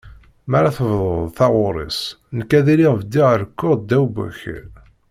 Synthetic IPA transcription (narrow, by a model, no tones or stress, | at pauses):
mæɾaθəvðˤoðˤθɑʁʊɾˤḭs | nəkːæðiɾiʁəvd̪iʁəɾkːʊd̪æwbʊ̰ç